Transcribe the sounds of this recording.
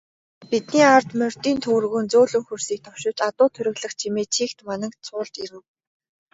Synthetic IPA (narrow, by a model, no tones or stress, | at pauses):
pit̪niːart̪mœr̥t̪iːnt̪ʰɵw̆rɣɵ̆ːnt͡soːɮɵ̆ŋxursiːk̚t̪ʰɔwʃɪ̆wt͡ɕat̪ʊːt̪ʰɵɾɘ̆ɣɮə̆χt͡ɕʰimeːt͡ɕʰiːkt̪manə̆kt͡sʰʊːɮt͡ɕ̪iɾɘ̆ŋ